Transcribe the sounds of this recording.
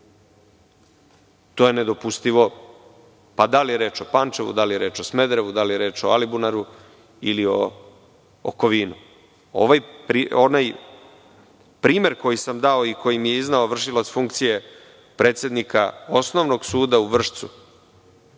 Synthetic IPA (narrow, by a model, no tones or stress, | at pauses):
t̪oːjene̞d̪o̞pust̪iʋo̞ | pad̪alijeɾe̞ːt͡ʃo̞pant͡ʃeʋṵd̪alijeɾe̞ːt͡ʃo̞smed̪ɾeʋud̪alijeɾe̞ːt͡ʃo̞̰alibunaɾu | ilio̰ː | ko̞ʋinu | o̰ʋajpɾionaj | pɾiːme̞ɾko̞jisamd̪aoikʰo̞jimijeiznaoʋr̩ʃilˠat̪sfuŋkt̪sije̞ | pɾe̞ːt̪sjed̪nikaosno̞ʋno̞ɡsuːd̪auʋr̩ʂt̪su